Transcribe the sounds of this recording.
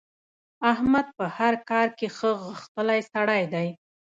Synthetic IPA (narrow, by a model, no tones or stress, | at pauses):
ahmad̪̚pəhaɾkɑɾkexəɣəxt̪əlajsaɽajd̪aj